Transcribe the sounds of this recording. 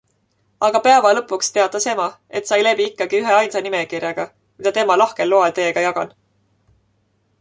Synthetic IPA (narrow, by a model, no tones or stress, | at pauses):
ɑɡ̥ɑpeɑvɑlɤ̞pːˑukst̪e̞ɑd̪̥ˑɑse̞mɑe̞t̪ˑsɑjlebiikːɑɡ̥iyɦeɑjnsɑnimekirjɑɡ̥ɑ | mid̪ɑt̪e̞mɑlɑhke̞lːoɑlt̪e̞ːɡ̥ɑjɑɡ̥ɑ̰n